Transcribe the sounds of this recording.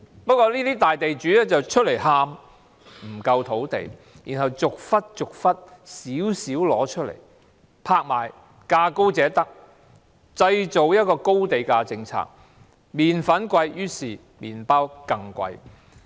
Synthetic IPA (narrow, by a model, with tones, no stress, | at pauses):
pɐ˥kɔː˧liː˥t̪iː˥t̪aː˨jt̪e˨jt͡ʃyː˨˥lɛː˥t͡sɐ˨wt͡ʃʰɵ˥t̚le˨˩jɦaː˧m | m̩˨˩kɐ˧wt̪ʰo˨˥wt̪ḛ˨˩j | jiː˨˩nɦɐ˨wt͡sʊ˨k̚fɐ˥t̚t͡ʃʊ˨k̚fɐ˥t̚siː˨˥wsiː˨˥wlɔː˨˥t͡ʃʰɵ˥t̚lḛ˨˩j | pʰaː˧k̚ma̰ː˨˩j | kaː˧ko˥wt͡sɛː˨˥t̪ɐ˥k̚ | t͡sɐ˧jt͡so˨wjɐ˥t̚kɔː˧ko˥wt̪e˨jkaː˧t͡sɪ˧ŋt͡sʰa̰ː˧˥k̚ | miː˨nfɐ˨˥nkʷɐ˧jjyː˥siː˨˩ | miː˨˩npaː˥wkɐ˧ŋkʷɐ̰˧j